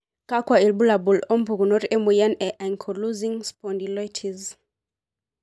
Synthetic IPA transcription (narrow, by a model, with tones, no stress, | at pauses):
ka˦kwa˨i˨lbu˦la˨bu˨lɔ˦mpu˨ɡu˨nɔ˦ɾɛ˦mu˨ja˦nɛ˨ʔa˨ŋkʰɔ˨luzi˦ŋspɔndi˨lɔ˦jtʰiz